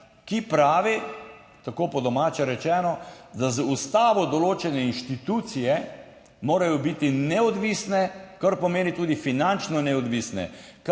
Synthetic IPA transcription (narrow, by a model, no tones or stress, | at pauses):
kipɾaːʋi | t̪akoːpɔd̪ɔmaːt͡ʃɛɾɛt͡ʃɛːnɔd̪azust̪aːʋɔd̪ɔloːt͡ʃɛnɛinʃt̪it̪uːt̪sijɛ | moːɾajɔbit̪inɛɔd̪ʋiːsnɛkaɾpɔmeːnit̪uːd̪ifinant͡ʃnɔnɛɔd̪ʋisnɛ̰k